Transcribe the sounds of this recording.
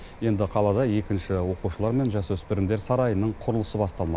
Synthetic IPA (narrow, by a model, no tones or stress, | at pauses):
je̞nd̪ɪqʰɑlˠɑd̪ɑje̞kʲɪnʃɪwo̞quʃəlˠɑɾme̞nʒɑswɵspɪɾɪmd̪e̞ɾsɑɾɑjənəɴqʰʊɾəlˠəsəbɑst̪ɑlˠmɑ